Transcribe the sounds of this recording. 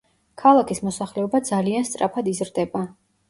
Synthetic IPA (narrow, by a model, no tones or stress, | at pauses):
kʰalˠakʰismɔsaχlɛɔbad̪zalianst̪sʼɾa̰pʰad̪izɾd̪ɛba